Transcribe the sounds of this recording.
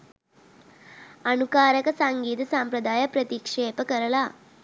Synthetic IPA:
ɐnukaːɾɐkɐsaŋɡiːt̪ɐsaːmpɾɐd̪aːjɐpɾɐt̪ikʂeːpɐkɐɾɐla

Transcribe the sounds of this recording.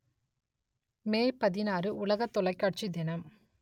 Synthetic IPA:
meːjpɐðɪnaːɾɯʊlɐɣɐt̪ːɔɭɐɪkːaːʈ̚t͡ʃid̪ɪnɐm

